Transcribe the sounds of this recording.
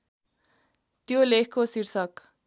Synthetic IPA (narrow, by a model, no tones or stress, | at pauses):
t̪iolehkosiɾsak